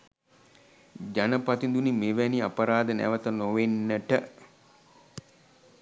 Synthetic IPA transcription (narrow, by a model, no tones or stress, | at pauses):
d͡ʒanəpat̪ind̪unimeʋæniapəɾaːd̪ənæ̰ʋət̪ənoʋenːəʈə